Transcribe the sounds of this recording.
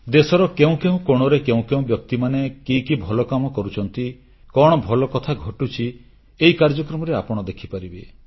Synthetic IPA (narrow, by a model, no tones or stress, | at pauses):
d̪esɔɾɔkeũkeũkoɽ̃ɔɾekeũkeũbjɔk̚t̪imanekikibʱɔlɔkamɔkɔɾut͡ʃʰɔnt̪i | kɔɽ̃ɔbʱɔlɔkɔt̪ʰaɡʱɔʈut͡ʃʰi | eikaɾd͡ʒɔkɾɔmɔɾeapɔɽ̃ɔd̪ekʰipaɾibe